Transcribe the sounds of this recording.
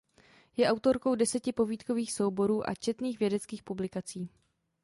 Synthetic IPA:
jɛʔawt̪o̞ɾko̞wdɛsɛcɪpo̞viːt̪ko̞viːxso̞wbo̞ɾuːʔa̰t͡ʃɛt̪niːxvjɛdɛt͡skiːxpublɪkat͡siː

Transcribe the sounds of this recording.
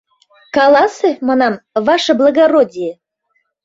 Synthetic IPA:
kɑlˠɑsemɑnɑmvɑʃɤ̆blˠəɣaɾodʲije

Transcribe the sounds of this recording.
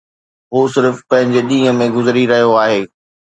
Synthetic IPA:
ɦoːsɪɾfpɐ̃ɦɪ̃ɲd͡ʑeɗĩːɦə̃mẽɡʊzɪɾiɾɐɦijoaːɦeː

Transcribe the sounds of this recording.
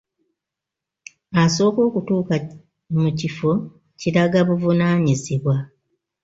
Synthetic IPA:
aso̞ːko̞ːkutuːka | mucifo̞ | ciɾaɡaβuvunaːɲiziβwa

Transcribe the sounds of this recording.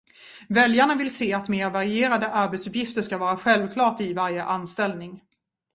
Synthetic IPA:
vɛljaɳavɪlseːat̪meːɾvaɾɪeːɾad̪əʔaɾbɛt̪sɵpjɪft̪əʂkavɑːɾaɧɛlvkʰlɑːʈɪvaɾjəʔanst̪ɛlnɪŋ

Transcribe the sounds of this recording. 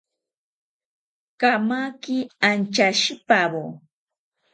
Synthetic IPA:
kamakɪant͡ʃaʃipabo

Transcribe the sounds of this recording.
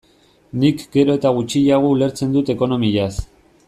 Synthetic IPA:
nikɡe̞ɾo̞e̞t̪aɣ̞ut͡ʃiʎaɣ̞oule̞ɾt͡se̞nd̪ut̪e̞ko̞no̞miʎas

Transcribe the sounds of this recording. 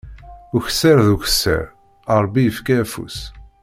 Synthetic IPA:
uçə̥sːəɾðuçə̥sːə̰ɾ | ɑɾˤbːijəfkæːfṵs

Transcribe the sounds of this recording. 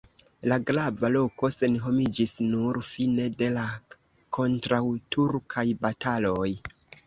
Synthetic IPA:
laɡɾavalo̞ko̞se̞nɦo̞mid͡ʒisnuɾfine̞de̞la | kʰo̞ntɾawtuɾkʰajbatʰalo̞j

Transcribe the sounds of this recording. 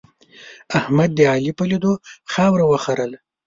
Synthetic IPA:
ahmad̪̚ːəɑlipəlid̪oxɑwɾawəxaɾəl

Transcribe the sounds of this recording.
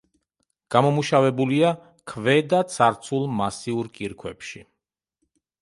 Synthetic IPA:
ɡ̥amɔmuʃavɛbulia | kʰvɛd̪at̪sʰaɾt̪sʰulˠmasiuɾkʼiɾkʰwɛ̰pʃi

